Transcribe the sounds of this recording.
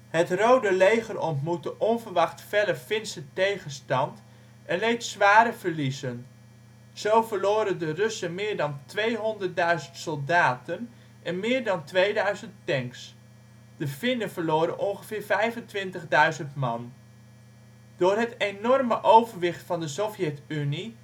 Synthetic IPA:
ɦətrowdəlejχərɔntmutəʔɔnvəɹʋɑχtfɛləfɪnsətejχənstɑnt | ʔɛnlejtsʋaːɾəv̥əɹlizən | z̥owvəɹloːɾəndərɵsəmɪːɹdɑntʋejɦɔndəɹt̚dœɥzəntsɔlˠdaːtən | ʔɛnmɪːɹdɑntʋejdœɥzəntɛŋks | d̥əfɪnəvəɹloːɾə̰nʔɔŋχəv̥ɪːɹvɛjvəntʋɪntəχdœɥzəntmɑ̰n | d̥ʊːɹɦətenɔrməʔowvəɹʋɪχtfɑndəsofjɛtyni

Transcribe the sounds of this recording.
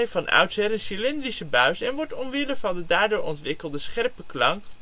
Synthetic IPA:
jfɑnʔœ̰ɥtsɛɾɛnsilɪndrisəbœɥsɛnʋɔɹtɔnʋɪləfɑndədaːɹdʊːɹɔntʋɪkəlˠdəsχɛɹpəklɑŋk

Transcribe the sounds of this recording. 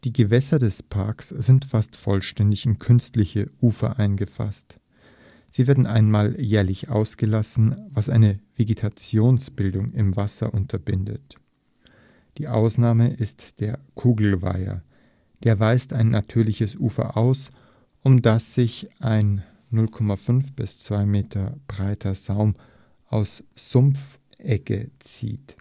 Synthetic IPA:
d̥iːɡəvɛsɐdɛspʰaɐksz̥ɪntfastfɔ̰lʃtɛndɪçɪnkʰʏnstlɪçəʔuːfɐ̰ʔaɪnɡəfa̰st | z̥iːveːɐdn̩ʔa̰ɪnmaːljɛːɐlɪçʔa̰ʊsɡ̥əlasn̩vasʔa̰ɪnəv̥eɡetʰat͡sjoːnsb̥ɪldʊŋɪmvasɐ̰ʔʊntʰɐbɪndə̰t | d̥iːʔa̰ʊsnaːməʔɪstd̥eːɐkʰuːɡl̩va̰ɪɐ̰ | d̥eːɐvaɪstaɪnːʔatʰyːɐlɪçəsʔuːfɐ̰ʔaʊs | ʔʊmdasz̥ɪçʔaɪnː | ʊlkʰɔmafʏnfb̥ɪst͡sv̥aɪmeːtʰɐb̥ʁaɪtʰɐz̥aʊm | ʔaʊsz̥ʊmf | ʔɛkə̰t͡sḭːt

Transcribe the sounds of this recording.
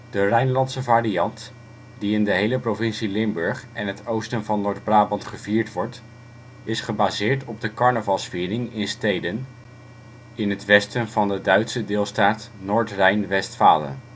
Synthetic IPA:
d̥ərɛjnlɑntsəvaːrijɑnt | diɪndəɦejləprovɪnsilɪmbɵɹχɛnɦətʰowstənvɑnːʊːɹd̚braːbɑntχəviːɹtʋɔɹt | ɪsχəbazɪːɹtɔb̚dəkɑɹnəvɑlˠsfiːrɪŋɪnstejdən | ɪnɦətʋɛstənvɑndədœɥtsədɪːlˠstaːtnʊːɹtrɛjnʋɛstfa̰ːlə̰n

